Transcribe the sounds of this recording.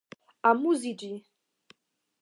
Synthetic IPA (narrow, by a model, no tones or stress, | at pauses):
amuzid͡ʒi